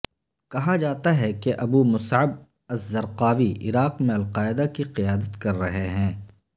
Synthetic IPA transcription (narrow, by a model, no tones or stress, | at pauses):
kɐɦad͡ʒaːt̪aɦɛkeʔɐbuːmʊsʕəb̚ | ɐzːɐɾqaːʋiʔɪ̰ɾaːqmẽɐlqaːɪd̪akiqɪjaːd̪ət̪kɐɾːɐɦeɦɛ̃ː